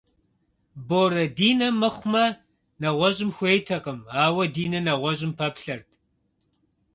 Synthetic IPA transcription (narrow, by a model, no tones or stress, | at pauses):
boːɾɐdiːnɐmɐχʷmɐ | nɐʁʷɔɕʼɪmxʷeːjtʰɐqəmaːwɐdiːnɐnɐʁʷɔʑʼɪmpʰɐpɬɐrtʰ